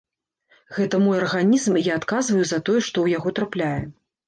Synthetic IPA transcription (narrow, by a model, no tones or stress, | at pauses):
ɣɛt̪ɐmɔjɐrɣanʲizmijaːt̪kazvɐjuzɐt̪ɔjɛʂt̪ɔwjaɣɔt̪ɾaplʲajɛ